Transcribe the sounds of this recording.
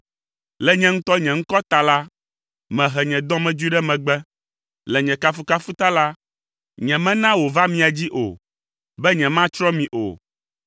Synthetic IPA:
lɛ˨ɲɛ̃˦ŋ̩̃˦t̪ɔ˦ɲɛ̃˨ŋ̩˦kɔ˦t̪a˨la˦ | mɛ̃˨ɦɛ˨ɲɛ̃˨d̪ɔ̃˦mɛ̃˨d͡ʒi˦ɖɛ˦mɛ̃˨ɡ͡bɛ˦ | lɛ˨ɲɛ̃˨ka˦fu˦ka˦fu˦t̪a˦la˦ | ɲɛ̃˨mɛ̃˦nã˦wo˨va˦mĩ˦a˨d͡ʑi˦ʔo̰˨ | bɛ˦ɲɛ̃˨mã˦t͡ʃɾɔ̃˦mĩ˨ʔo̰˨

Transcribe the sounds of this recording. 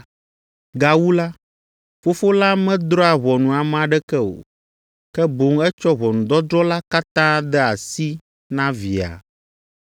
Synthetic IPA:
ɡa˨wu˦la˦ | fo˦fo˦la˦mɛ̃˦d̪ɾɔ˦a˨βɔ˨nũ˨a˨m˨a˨ɖɛ˦kɛ˦o̰˨ | kɛ˦bo˨˦ŋɛ˦t͡ʃɔ˦βɔ˨nũ˨d̪ɔ˦d̪ɾɔ˦la˦ka˦t̪ã˦d̪ɛ˦a˨si˦ | nã˦vi˨a̰˨

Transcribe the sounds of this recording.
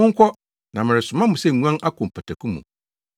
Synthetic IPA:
ʊ̃˦ŋ̩˦kʷʰɔ˦ | nã˨mɪ̃˨ɾɪ˨sʊ˨mã˦mũ˨sɛ˦˨ɲũ˦ã˦nʔa˦kʰʊ̃˨m̩˨pʰa˨tʰa˨kʰũ˦mṵ̃˨

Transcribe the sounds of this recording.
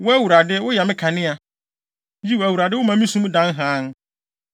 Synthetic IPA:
wʊ˦æ˦wu˨ɾa˨dɪ˦wʊ˦jɛ˨mɪ̃˦kʰã˨nɪ̃˦a˨˦ | d͡ʑi˦wæ˨wu˨ɾa˨dɪ˦wʊ˦mã˨˦mĩ˦sũ˦mũ˦dã˨˦n˦ɦãː˨˦n˦

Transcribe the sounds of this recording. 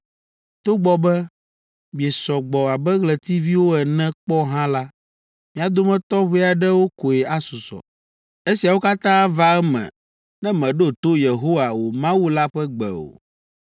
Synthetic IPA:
t̪o˦ɡ͡bɔ˦bɛ˦ | mĩ˨ɛ˨sɔ˨ɡ͡bɔ˨a˨bɛ˦ɣlɛ˨t̪i˦vi˦wo˦ɛ˨nɛ̃˦k͡pɔ˦ɦã˦la˦ | mĩ˨a˨d̪o˦mɛ̃˦t̪ɔ˦ɸe˦˨a˨ɖɛ˦wo˦ko˨e˨a˦su˨sɔ̰˨ | e˦si˨a˨wo˦ka˦t̪ã˦va˦ɛ˦mɛ̰̃˨ | nɛ̃˦mɛ̃˨ɖo˦˨t̪o˦je˨ɦo˦wa˨wo˨mã˦wu˦la˦ɸɛ˦ɡ͡bɛ̰˨o̰˨

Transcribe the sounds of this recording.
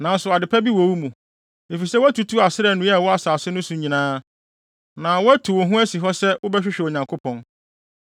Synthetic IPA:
nã˨n˦sʊ˨a˨dɪ˨pʰɛ˦bi˦wo˨wu˦mũ˨ | e˨fi˨sɛ˦wæ˦tʰu˨tʰu˦a˨sɪ˦ɾɛ˨nʊ̃˦a˨wɔ˦a˨saː˨sɪ˦nʊ̃˦sʊ̃˨˦ɲĩ˨nãː˦ | nã˨wɔ˦æ˦tʰu˨wo˨ɦũ˦æ˦si˨ɦɔ˦sɛ˦wʊ˦bɛ˦ɕᶣɪ˦ɕᶣɛ˨o˨ɲã˨ŋkʰo˦pʰɔ̃˨n

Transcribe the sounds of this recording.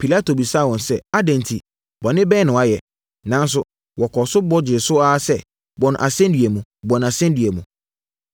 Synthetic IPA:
pʰi˨la˦tʰo˨bi˨sa˦˨wɔ̃˨nsɛ˦a˦dɛ̃˨ntʰi˨ | bɔ˨nɪ̃˦bɛː˦nʊ̃˨wa˦jɛ˨ | nã˨˦n̩˦s̬ʊ˦ | wɔ˨kʰɔ˨sʊ˦bɔ˦d͡ʑɪ˨sʊ˦a˦sɛ˦ | bɔ˨ñ˨ʔa˨sɛ̃˦n˦dɥɛ˨mũ˨bɔ̃˨n˨a˨sɛ̃˦n˦di˨ɛ˨mũ˨

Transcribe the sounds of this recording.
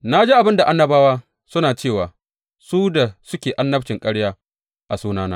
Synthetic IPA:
na˦d͡ʒe˦ʔa˨bɪ˦nda˨ʔa˦nːɐ˦baː˦waː˦ | sʊ˦naː˨t͡ʃeː˦˨waː˨ | suː˦da˨sʊ˦kʲeː˨ʔa˦nːɐ˦t͡ʃɪ˨ŋkʼɐ˦ɽjaː˦ | ʔa˨suː˦naː˦naː˦

